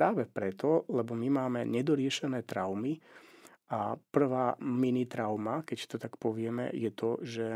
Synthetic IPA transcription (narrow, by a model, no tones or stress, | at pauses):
ɾaːʋɛpɾɛt̪ɔlɛbɔmimaːmɛɲɛd̪ɔɾɪɛʃɛnɛːt̪ɾaʊmi | ʔapr̩ʋaːminit̪ɾaʊmakɛcst̪ɔt̪akpɔʋɪɛmɛ̰jɛt̪ɔʒɛ